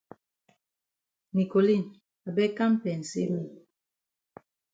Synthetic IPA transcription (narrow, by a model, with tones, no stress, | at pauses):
ni˨ko˨li˦˨n | a˨bɛ˦ka˦m˦pɛ˨n̩˨sḭ˦wi˦˨